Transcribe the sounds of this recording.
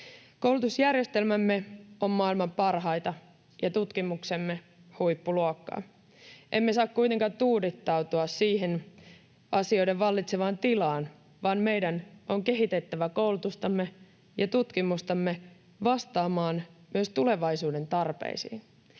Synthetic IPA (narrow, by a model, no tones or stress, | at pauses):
kowlut̪usjærje̞st̪e̞lmæmːe̞o̞mmɑːilmɑmpɑrɦɑjt̪ɑ | jɑt̪ut̪kimukse̞mːe | hujpːuluokːɑ̰ː | ʔemːe̞sɑːkkujt̪e̞ŋkɑnt̪uːdit̪ːɑwt̪uɑssiːɦen | ɑsio̞jde̞ʋʋɑlːit̪seʋɑːnt̪ilɑːn | ʋɑːnme̞jdænʔoŋke̞ɦit̪e̞t̪ːæʋæko̞wlut̪ust̪ɑmːe | jɑt̪ut̪kimust̪ɑmːe | ʋɑst̪ɑːmɑːnmyøst̪ule̞ʋɑjsuːde̞nt̪ɑrpḛisḭːn